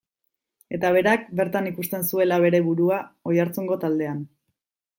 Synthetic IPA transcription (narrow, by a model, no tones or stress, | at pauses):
e̞t̪aβ̞e̞ɾakbe̞ɾt̪anikust̪e̞nsue̞laβ̞e̞ɾe̞βuɾuaojaɾt͡suŋɡo̞t̪ald̪e̞an